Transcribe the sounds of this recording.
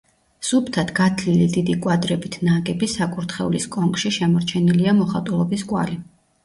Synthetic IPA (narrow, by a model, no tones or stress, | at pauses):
supʰt̪ʰat̪ɡat̪ʰlilid̪id̪ikʼwad̪ɾɛbit̪ʰnaɡɛbisakʼuɾt̪ʰχɛ̰ṵliskʼɔŋkʼʃiʃɛmɔɾt͡ʃʰɛniliamɔχat̪ʼulˠɔbiskʼwa̰li